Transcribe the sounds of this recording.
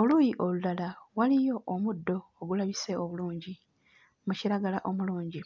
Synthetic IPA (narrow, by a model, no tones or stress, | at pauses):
oluːjiʔo̞lulalawalijo̞ʔomudːo̞ːɡulaβise̞oβuluːɲɟi | muciɾaɡalaʔo̞muluːɲɟi